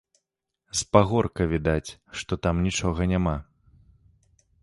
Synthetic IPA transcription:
spaɣɔrkɐvʲid̪at͡sʲʂt̪ɔt̪amnʲit͡ʂɔɣɐnʲama

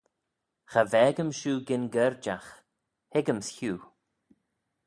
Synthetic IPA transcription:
xavɛːɡəmʃuːɡɪnɡɛɹd͡ʒax | hɪɡəmsçuː

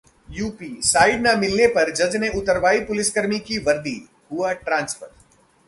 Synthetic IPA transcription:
juːpiːsaːɪɖnamɪlnepɐɾd͡ʒɐd͡ʒneʔʊt̪əɾʋaːipʊlɪskəɾmikiʋɐɾd̪i | ɦʊaʈɾãːnsfəɾ

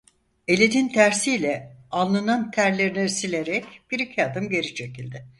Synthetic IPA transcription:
e̞lʲenint̪ʰæɾsilʲɛalˠːanant̪ʰæɾlʲeɾinɛsilʲeɾɛcb̥iɾicʰiad̪ɯmɟe̞ɾit͡ʃʰe̞cilʲd̪ɪ

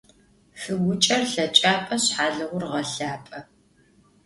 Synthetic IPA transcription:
fɨɡʷʊt͡ʃʼɐrɬɐt͡ʃʼaːpʼɐɕħaːɮɨʁʷʊrʁɐɬaːpʼɐ

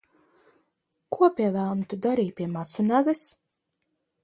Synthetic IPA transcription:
kuɔpʲiɛvæːlˠmt̪ud̪aɾiːpʲiɛmat̪sunæɡɨs

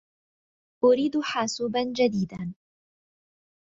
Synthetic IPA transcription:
ʔʊɾiːd̪ħaːsuːband͡ʒad̪iːd̪a

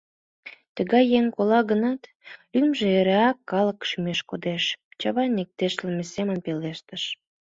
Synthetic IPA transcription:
t̪əɣɑjːeŋkolɑɣənɑt̪ | lymʒeeɾeɑkːɑləkʃymeʃkod̪eʃt͡ɕɑβɑjnek̚t̪eʃləmesemənpeleʃt̪əʃ

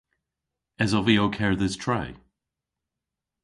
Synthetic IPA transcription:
ɛzɔvioʊkʰɛɹðɪz̥tʰɹ̥aɪ

